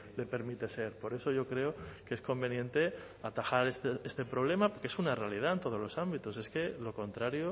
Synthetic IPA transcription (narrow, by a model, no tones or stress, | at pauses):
le̞pe̞ɾmit̪e̞se̞ɾpo̞ɾe̞so̞ʝo̞kɾe̞okeesko̞mbe̞njẽ̞nt̪e̞ | at̪axaɾest̪eest̪e̞pɾo̞β̞le̞mapokee̞sunarealið̞aent̪o̞ð̞o̞zlo̞sambit̪ose̞ske̞lokõ̞nt̪ɾaɾjo